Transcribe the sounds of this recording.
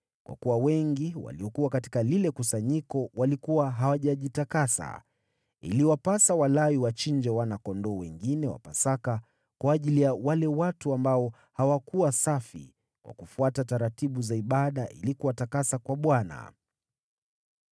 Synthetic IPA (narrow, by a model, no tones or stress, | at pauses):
kwʔa̰kuwawɛŋɡiwa̰liɔkuwakati̥kalilɛkusaɲikɔwalikuwaɦawaʄaʄitakasa̰ | ḭliwapasawalaiwat͡ʃiɲd͡ʒɛwanakɔndɔːwɛŋɡinɛwa̰pasaka | kwaːʄilijawalɛwatuambaɔ | hawakuwasafḭ | kwʔa̰kufuatataɾatiɓuzaiɓaɗaʔilikuwatakasakwaɓwana̰